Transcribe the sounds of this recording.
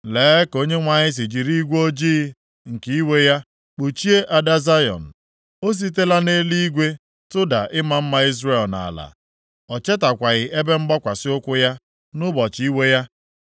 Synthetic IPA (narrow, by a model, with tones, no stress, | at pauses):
leː˨˦ko˦ɲe˦ŋʷa˨ɲɪ˦s̬i˨d͡ʒi˨ɾi˦ɡʷo˦d͡ʒiː˦ | ŋ̩˨ki˦i˦we˦ja˦ | k͡pu˨t͡ʃi˦e˦ʔa˨da˦za˦jɔ̰˨n̩˨ | o˦s̬i˦t̬e˦la˦ne˦li˦ɡʷe˦ | tʊ˦da˨ʔɪ˦ma˦m̩˦ma˦i˦zre˨lna̰˨la̰˨ | ɔ˨t͡ʃe˦ta˨kʷa˨ɣɪ˨ʔe˦be˦ŋ͡m̩˦ɡ͡bɔ˦kʷa˨sɪ˦ʊ˦kʷʊ˦ja˦ | nʊ˦bɔ˨t͡ʃi˦we˦ja˦